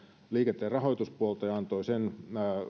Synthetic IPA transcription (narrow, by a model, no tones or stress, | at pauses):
liːket̪ːˑeːrɑɦojt̪uspuolt̪ɑjɑɑnt̪oisenː